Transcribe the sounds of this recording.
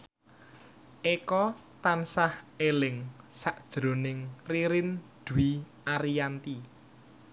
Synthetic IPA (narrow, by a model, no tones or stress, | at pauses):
ʔekɔt̪ansahelɪŋsaʔd̥ʒ̥ɾonɪŋriɾɪnd̪̥uwi | aɾijant̪i